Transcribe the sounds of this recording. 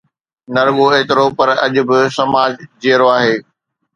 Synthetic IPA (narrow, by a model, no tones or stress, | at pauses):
nɐɾɠoeːt̪ɪɾopɐɾɐʄʊ̆bɪsɐmaːd͡ʑd͡ʑeːəɾoaːɦeː